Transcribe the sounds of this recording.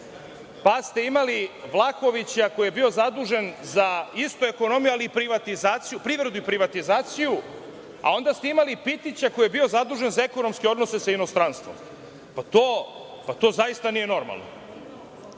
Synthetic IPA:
past̪e̞imaliʋlˠako̞ʋit͡ɕako̞jijebio̞zad̪uːʒe̞nzaist̪ue̞ko̞no̞mijualiːpɾiʋat̪izaːt̪sijupɾiʋɾe̞d̪uipɾiʋat̪izaːt̪siju | a̰o̞nd̪ast̪e̞imalipit̪it͡ɕako̞jijebio̞zad̪uːʒe̞nzaekono̞mske̞o̞d̪no̞se̞saino̞st̪ɾanst̪ʋo̞m | pat̪oː | pat̪o̞ːzaist̪anije̞no̞ɾma̰lˠno̞̰

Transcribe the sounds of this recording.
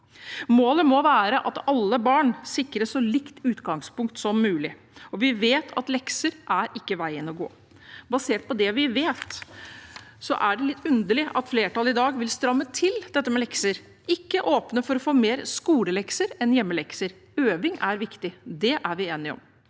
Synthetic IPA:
moːləmɔʋæːɾəʔɑt̪ɑlːəbɑːɳsɪkɾəsɔlɪkt̪ʉːt̪ɡɑŋspʊŋk̚t̪sɔmːʉːlɪ | ɔʋɪʋeːt̪ʰɑt̪lɛksəɾʔæɾɪkːəʋæɪənɔɡo̰ː | bɑseːʈ̚pɔd̪ɛʋɪʋeːt̪ | sɔ̰ʔæɖɛlɪt̪ːʉnd̪əɭɪʔɑt̪fleːʈʰɑlɪd̪ɑːɡʋɪlst̪ɾɑmːət̪ʰɪld̪ɛt̪ːəmɛlɛksəɾ | ʔɪkːəʔoːpnəfɔɾɔfoːmeːɾskuːləlɛksəɾɛnjɛmːəlɛksəɾ | øːʋɪŋæɾʋɪkt̪ɪd̪ɛʔæɾʋɪeːnɪɔ̰m

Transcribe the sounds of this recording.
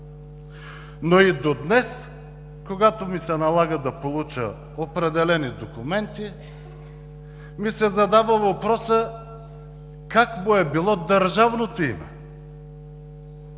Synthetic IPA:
noid̪od̪nɛs | koɡat̪omisɛnɐlˠaɡəd̪ɐpolˠut͡ʃə̰ | opɾɛd̪ɛlɛnid̪okumɛnt̪i | misɛzɐd̪avəvɐpɾɔsə | kakmoɛbilˠɔd̪ɐɾʒavnot̪oimɛ̰

